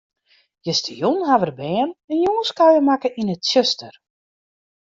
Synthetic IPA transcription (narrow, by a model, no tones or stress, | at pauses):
jəstəjunɦaʋərbɛːnɛnjuːənskajəmakəʔinətsøstər